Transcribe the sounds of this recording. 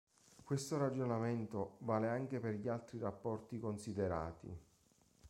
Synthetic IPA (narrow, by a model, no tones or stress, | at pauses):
kwest̪oɾad͡ʒonament̪ovaːleaŋk̟eperʎialt̪ɾirapːɔrt̪ikonsid̪eɾa̰ːt̪ḭ